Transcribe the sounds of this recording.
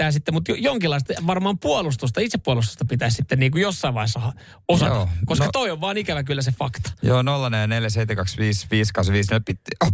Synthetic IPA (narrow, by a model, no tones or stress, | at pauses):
æːsit̪ːemut̪jojoŋkilːˑɑist̪ɑʋɑrmɑːmpuolust̪ust̪ɑit̪seppːuolust̪u̥st̪ɑpit̪æːssit̪ːenniːŋkujosːɑiʋɑisːɑhɑ | osɑ̰ɑkoskɑt̪oioʋʋɑːnikæʋækylːæsefɑkt̪ɑ̥joːnolːɑnejɑneljɑseit̪ːekɑksʋiːsʋiːskɑsʋiːsnepit̪